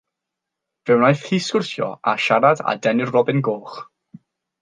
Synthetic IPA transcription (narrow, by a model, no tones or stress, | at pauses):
v̥ɛwnajθhiːskʊrθjɔ̰a̰ʃaɾada̰dɛnɪrrɔbɪnɡoːχ